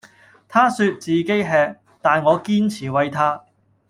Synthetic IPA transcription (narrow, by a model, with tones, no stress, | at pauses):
t̪ʰaː˥syː˧t̚t͡siː˨˩ke˥jɦɛː˧k̚ | t̪aː˨nŋɔː˨˧kiː˥nt͡sʰiː˨˩wɐ˧jt̪ʰaː˥